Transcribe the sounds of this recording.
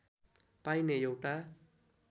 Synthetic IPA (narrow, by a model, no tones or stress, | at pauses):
pãinejowʈa